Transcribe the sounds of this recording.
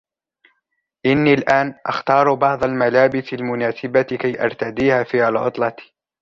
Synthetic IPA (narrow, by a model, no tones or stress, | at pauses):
ʔɪnːiːlʔaːnʔɑ̰xt̪ɑːɾˤbɑʕd̪ˤalmalaːbɪsalmʊnaːsɪbakajʔɑ̰ɾˤt̪ad̪iːhaːfiːhalʕʊ̰t̪ˤlɑt̪i̥